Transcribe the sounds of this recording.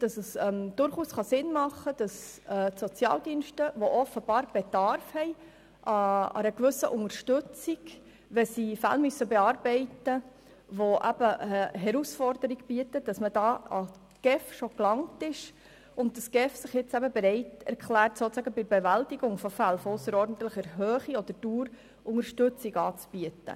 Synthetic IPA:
d̥ɑsəsɛmd̥ʊɾχuːsχɑsɪnmɑχːəd̥ɑsɛːtsɔt͡sjɑ̰ːldinʃtəʋoʔɔfəb̥ɑːɾb̥edɑɾfhɛɪ | ʔɑɑ̰ɾəkʋʏsəʔʊŋəɾʃtʉt͡siɡ | ʋɛsifæ̰lmysəbeɑːɾb̥ɛɪtə | ʋoʔæ̰b̥əəɦɛɾusfɔrd̥əɾiɡb̥iətəd̥ɑsməd̥ɑːɑ | ɡ̥ɛfʃoklɑŋtɪʃ | ʊnt̚d̥ɑsɡ̥ɛfsɪχjɪt͡sæbəbeɾɛɪtɛ̰ɾkʰlæːɾtsoːt͡sæɡəbɪɾbeʋæltiɡʊŋfɔfælfɔʊsəɾɔɾdən̩t̪ləχəɾɦøːχiɔd̥̪əɾd̥uːɾ | ʊŋəɾʃtʉt͡siɡɑːt͡sb̥iətə̰

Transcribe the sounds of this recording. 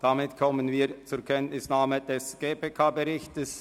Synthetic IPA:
d̥amɪtkʰɔmənviːɐt͡suɾkʰɛntnɪsnaːməd̥ɛsɡ̥eːpeːkʰaːbəʁɪçtəs

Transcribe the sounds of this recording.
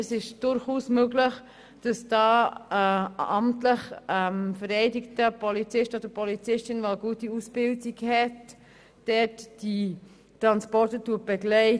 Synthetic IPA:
ɛsɪʃd̥ʊɾχuːsmøɡləχ | d̥ɑsd̥ɑːəɑmtləχɛmfəɾɛɪdɪktəpʰɔlit͡sɪʃtod̥əɾpʰɔlit͡sɪʃtɪnʋalɡuətiusb̥ɪldiɡhɛt | d̥ɛtd̥i | tɾɑnspɔɾtəduət̚b̥ɛɡlɛɪ

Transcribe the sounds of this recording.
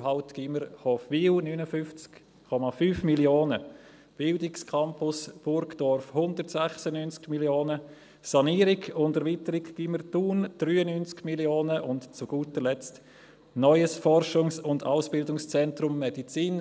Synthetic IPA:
ɦaʊtɡ̥iməɾhɔfʋiːlnyːnəfʏft͡sk | kʰːɔmafyːfmiljoːnə | b̥ɪldɪkskʰɑmpʊsb̥ʊɾɡd̥ɔɾfhʊndəɾtsɛχsənynt͡skmiljoːnə | sɑniːɾɪɡʊndɛɐɾvitəɾɪkɡ̥iməɾtuːnd̥ɾyːənynt͡skmiljoːnəʔʊntt͡sʊɡ̥uːtəlɛt͡st | nɔʏəsfɔrʃʊŋsʊnda̰ʊsb̥ɪldʊŋst͡sɛntɾʊmːɛdit͡siːn

